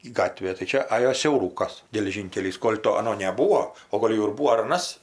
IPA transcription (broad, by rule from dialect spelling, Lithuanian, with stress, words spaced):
ˈɡɑːtʲʋʲeː tɐɪ ˈt͡ʃʲɛ ˈɑːjoː sʲɛʊˈruːkɐs ɡʲɛlʲɛˈʒʲiːŋʲkʲɛlʲiːs ˈkoːlʲ toː ɐˈnoː nʲɛˈbuːoː oː ˈɡoːlʲ jɛʊ ɪr ˈbuːoː ɐr ɐˈnɐs